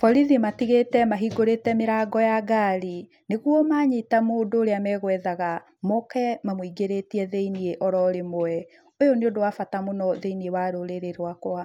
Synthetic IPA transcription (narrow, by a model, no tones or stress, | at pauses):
fɔɾiðimatiɣetɛmaɦiɡoɾetɛmeɾaːɡɔjaɡaːɾi | neɣwɔmaːɲitamoːdoːɾeamɛɣwɛðaɣa | mɔkɛmamwiɡeɾetiɛðɛinieʔɔɾɔɾemoɛ | ojɔneodowafatamonɔðeiniewaɾoɾeɾeɾwakoa